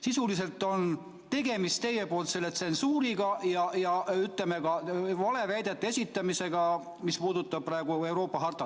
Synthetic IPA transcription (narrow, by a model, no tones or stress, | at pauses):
sisulis̬e̞lt̪ːˑo̞n | t̪e̞ɡe̞mist̪e̞jːe̞po̞ːlt̪se̞lːet̪se̞nsuːɾiɡɑjɑjɑyt̪ˑlemeɡɑvɑle̞væjd̪̥et̪ːˑesʲit̪ːˑɑmise̞ɡ̥ɑ | mispuːd̪ut̪ːˑɑb̥̚prɑeɡ̥ue̞wɾo̞ːpːˑɑɦɑrt̪ɑ